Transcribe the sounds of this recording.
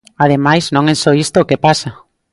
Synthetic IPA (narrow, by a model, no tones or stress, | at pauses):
að̞emajznõŋɛsoist̪oːkepasa